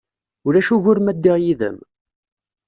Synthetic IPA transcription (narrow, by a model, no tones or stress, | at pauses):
ʊɾæʃuʝʊɾmæd̪ːiʁjiðə̰m